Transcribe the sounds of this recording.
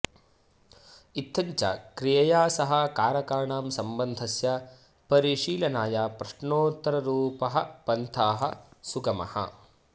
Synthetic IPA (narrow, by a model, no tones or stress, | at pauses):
it̪ʰːɐɲt͡ʃɐ̰kɾijɐjaːsɐɦɐ̆kaːɾɐkaːɳaːmsɐmbɐnd̪ʱɐsjɐ | pɐɾiʃiːlɐnaːjaːpɾɐʂɳoːt̪ɐɾɐɾuːpɐɦɐpɐnt̪ʰaːɦɐsuɡɐmɐ̰hɐ̰